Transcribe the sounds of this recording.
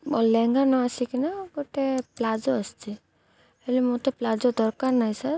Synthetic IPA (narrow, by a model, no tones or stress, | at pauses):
ɔlːɛŋɡanɔəsikinaɡoʈeplad͡ʒoəst͡ʃi | elimot̪eplad͡ʒod̪ɔɾkaɾnajsaɾ